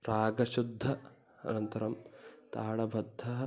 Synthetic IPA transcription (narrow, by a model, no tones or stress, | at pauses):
ɾaːɡɐʃud̪ʱːɐ | ɐ̰nɐnt̪ɐɾɐmt̪aːɽɐbʱɐd̪ʱːɐɦɐ